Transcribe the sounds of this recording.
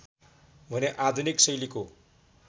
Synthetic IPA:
bʱʌneʔad̪ʱuniksʌjliko

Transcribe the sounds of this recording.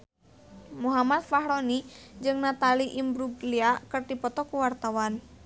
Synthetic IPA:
muɦamat̪̚faɦɾonid͡ʒɨŋnat̪aliʔimbɾuɡliakərdipɔt̪ɔkuwart̪awan

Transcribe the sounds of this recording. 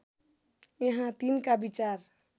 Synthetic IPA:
eɦãt̪inkabit͡ʃaɾ

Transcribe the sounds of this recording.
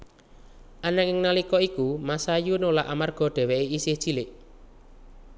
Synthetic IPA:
ʔanakɪŋnalikɔikumasajunolaʔamarɡ̥ɔ̤ɖ̥ɛ̤wɛʔiisɪhd̥ʒ̥i̤lɪʔ

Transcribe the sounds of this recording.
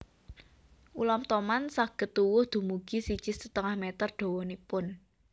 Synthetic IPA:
ʔulɔmt̪ɔmansaɡ̥ə̤t̪ːuwʊhd̪̥ṳmuɡ̥isid̥ʒ̥ɪ̤sət̪əŋahmet̪ərɖ̪̥o̤wɔnipʊn

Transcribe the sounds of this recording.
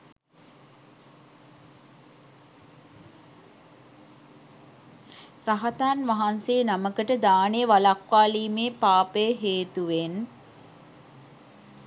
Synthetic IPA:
raɦat̪aːnʋaɦanseːnaməkəʈəd̪aːneʋalakʋaːliːmeːpaːpəjəɦeːt̪uʋen

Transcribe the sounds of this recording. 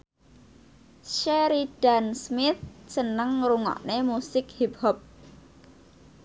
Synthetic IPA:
ʃeɾid̥ansmɪθsənəŋruŋɔ̰ʔnemusɪkhip̚hɔp̚

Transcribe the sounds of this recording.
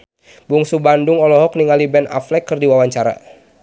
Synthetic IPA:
buŋsubandʊŋɔlɔɦɔk̚niŋalibɛna̰flɛkːərdiwawaɲt͡ʃaɾa̰

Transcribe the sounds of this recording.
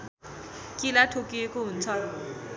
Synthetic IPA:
kilatʰokiekoun̩t͡sʰɔ

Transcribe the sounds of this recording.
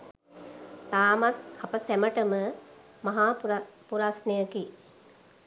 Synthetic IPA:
t̪aːmat̪̚hapəsæməʈəmə | maɦaːpupuɾasnəjəki

